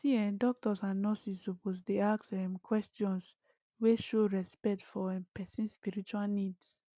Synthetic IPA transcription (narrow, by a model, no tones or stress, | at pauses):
siɛndɔk̚tɔsãnːɔsisoposdeaksɛ̃mkwɛstiɔ̃ns | weʃoɹɛspɛk̚tfɔɛ̃pɛsĩnspiɹit͡ʃualnids